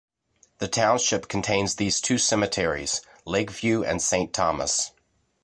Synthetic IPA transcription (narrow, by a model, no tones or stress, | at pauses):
ðɨtʰãʊ̃nʃɪpkʰn̩tʰẽɪ̃nzðiz̥tʰʉsɛmɨtʰɛɹḭz̥ | lɛɡvjʉɨ̰̃nsẽɪ̃ntʰɑmə̰s